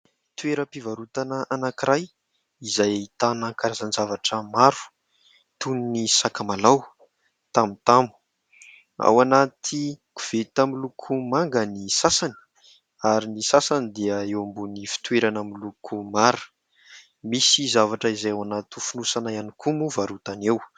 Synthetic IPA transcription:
t̪weɾəpivaɾut̪anəʔanakiɾaj | izajit̪anəkaɾazanzavaʈ͡ʂəmaɾu̥ | t̪uninisakamalaw | t̪amit̪amu̥ | a̰wanat̪ʰiku̥v̥et̪amilukʰumaŋɡənisasani̥ | aɾinisasanid̪iəewmbunifi̥t̪weɾanamilukʰumaɾu̥ | misizavaʈ͡ʂəizajawanat̪ufunusanajanikʰumuvaɾut̪anew

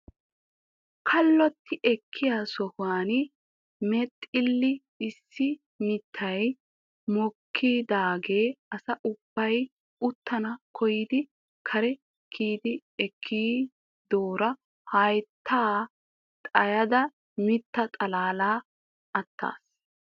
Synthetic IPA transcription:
kʰɐlːɔt̪ːɪʔɛkʰːɪjasɔhʊaːn | mɛt̪ʼːɪlːɪ | ɪsːɪ | mɪt̪ʰːɐj | mɔkʰːiːd̪aːɡe̞ːɐsɐʔʊb̥ːɐj | ʊt̪ːɐnɐkʰɔjɪd̪ɪ | kʰɐɾɛ | kʰːiːd̪ɪɛkʰːiː | d̪oːɾɐ | hɐjt̪ʰːaː | t̪ʼɐjɐd̪ɐ | mɪt̪ːɐt̪ʼɐlaːlaː | ɐt̪ʰːa̰ːs

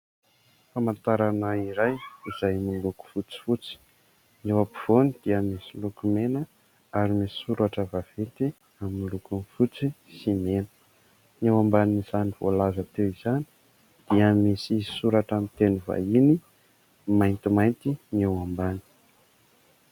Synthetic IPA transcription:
famant̪aɾanəiɾajiz̥ajmuluku̥fut͡si̥fut͡si̥ | newapi̥v̥onid̪̥iəmisilukumenə | aɾimisi̥suɾaʈ͡ʂəvav̥et̪i | aminilukunfut͡si | simenə̥ | newambanizaniv̥o̰lazat̪ewizani̥ | d̪̥iəmisisuɾaʈ͡ʂamit̪enuva̰ini | majnt̪imajnt̪inewambani̥

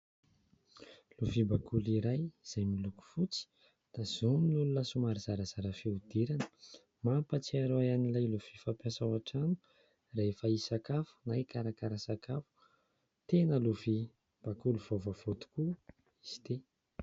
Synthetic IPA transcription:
luvibakuliɾajz̥ajmiluku̥fut͡si̥ | d̪̥az̥ominulunəsumaɾizaɾəz̥aɾəfeud̪eɾanə̥ | mampət͡siaɾojanilajluv̥ifapjasawaʈ͡ʂanu̥ | raefaisakafu̥najkaɾakaɾasakafu̥ | t̪enəluvi | b̥akuluv̥ovav̥ot̪u̥ku | iz̥i̥t̪e

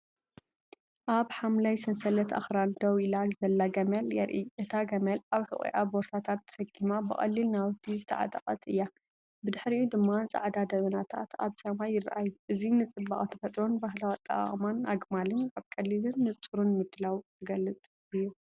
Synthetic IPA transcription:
ʔaβħamlajsɐnsɐlɐt̪ʰa̰xɾand̪ɐwilalzɐlːaɡɐmɐljɛɾʔiʔɨt̪ʰaɡɐmɐlʔaβħɨ̰χʼḭʔaboɾsʰat̪ʰat̪ːsɐɡimabɨχʼɐ̰lːilnawt̪ʰːizɨt̪ʰɐ̰ʕa̰t̪ʼɐqʼɐt̪ʼɨjːa | bɨd̪ɨħɾiud̪ɨmːat͡sʼɐ̰ʕd̪ad̪ɐβɐnat̪ʰa̰t̪ʰa̰βsɐmajːɪra̰ʔajuʔɨzinɨt͡sʼɨbːaχʼt̪ʰɐ̥fɐt̪ʼɾo̞nbaɦlawat̪ʼɐ̰χʼmanaɡmalɨnʔaβkʼɐlːilɨnːɨt͡sʼuɾunmɨd̪ɨlawt̪ʰɨɡɐlːɨt͡sʼ | ɨjːu

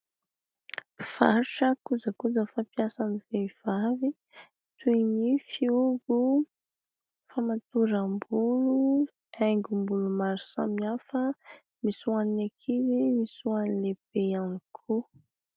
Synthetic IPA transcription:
faɾuʈ͡ʂəkuzakuzəfapjasaniveiv̥avi | t̪uinifiuɡu | famat̪uɾəmbulu | ɛjŋɡumbulumaɾusa̰miafə | misuaniekʰizimisuanileb̥eanikʰu

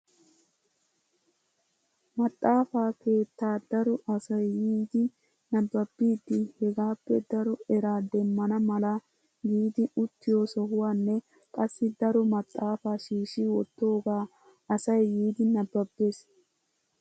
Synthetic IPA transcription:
mɐt̪ʼːaːfaːke̞ːt̪ːaːd̪ɐɾɔʔɐsɐjːiːd̪ɪ | nɐbːɐbːiːd̪ːɪhɛɡaːpːɛd̪ɐɾɔɛɾaːd̪ɛmːɐnɐmɐlɐ | jiːd̪ɪʊt̪ːɪjo̞ːsɔhʊwaːnːɛ | kʼɐsːɪd̪ɐɾɔmɐt̪ʼːaːfaːʃiːʃiwɔt̪ːo̞ːɡaː | ɐsɐjːiːd̪ɪnɐbːɐbːe̞ːs

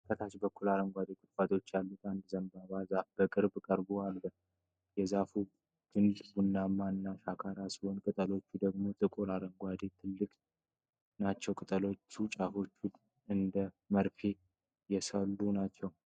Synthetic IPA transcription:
kʰət̪ʰat͡ʃbəkːulaɾəŋɡʷad̪ek̪ʼɨɾfat̪ʼo̞t͡ʃːalːut̪ʰand̪zəmbaβazafbəkʼɨɾbkʼəɾbualbə | jɛzafu | ɡ̥ʰɨnd̪bunːamːaɨnːaʃakʰaɾasihonkʼɨt̪ʼəlo̞t͡ʃːud̪əɡmo̞t̪ʼɨkʼuɾaɾəŋɡʷad̪et̪ʰɨlːɨkʼ | nat͡ʃːɛwkʼɨt̪ʼəlo̞t͡ʃːut͡ʃʼafo̞t͡ʃːu | ɨnd̪ə | məɾfʰe̞ | jɛsəlːunat͡ʃːɛw

